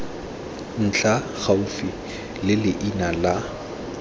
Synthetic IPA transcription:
n̩t͡ɬʰa | χaufi | lɪlɪʔinala

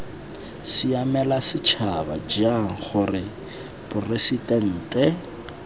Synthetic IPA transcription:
siamɛlasɪt͡ʃʰaba̰d͡ʒaŋ̩χʊrɪ | bʊresitʼɛn̩ːtʼɛ

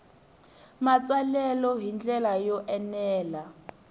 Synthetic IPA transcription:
mat͡sʼalɛlɔɦind͡ɮɛlajɔʔɛnɛːla

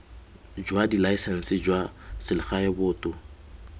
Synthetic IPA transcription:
d͡ʒwadilaisɛn̩sɪd͡ʒwasɪlɪχaɛbʊːtʼʊ

